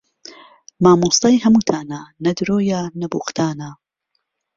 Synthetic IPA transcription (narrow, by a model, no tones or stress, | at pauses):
maːmuːst̪ɑjɦɐmuːt̪ʰaːnaːnɐd̪ɾoːjaːnɐbṵːqt̪ʰaːna